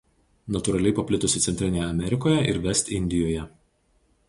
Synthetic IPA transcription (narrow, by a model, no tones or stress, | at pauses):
nɐt̪ʊɾɐlʲɛɪpɐpʲlʲɪt̪ʊsʲɪt̪sʲɛnʲt̪ɾʲɪnʲeːjɛɐmʲɛɾʲɪkoːjɛʔɪ̰ɾʋʲɛsʲt̪ʲɪnʲd̪ʲɪjoːjɛ